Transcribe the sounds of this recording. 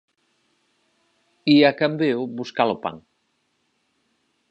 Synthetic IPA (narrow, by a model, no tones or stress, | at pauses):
iakambewbuskalopa̰ŋ